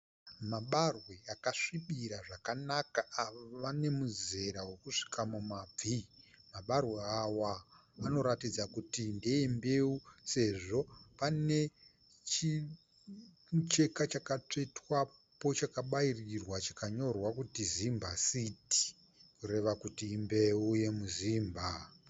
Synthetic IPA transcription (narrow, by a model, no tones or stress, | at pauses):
maɓarwe̞akaʂiɓiɾaʐakanakaaʋoʋane̞muze̞ɾawe̞kuʂi̥kamumab͡vimaɓarwe̞awaː | no̞ɾatid͡zakutindeembe̞use̞ʐo̞pane̞ | t͡ʃi | t͡ʃe̞kat͡ʃakat͡ʂetwapo̞t͡ʃakaɓairirwat͡ʃakaɲo̞rwakutizimbasiti̥ | kuɾe̞ʋakutiːmbeuje̞muziːmbʱa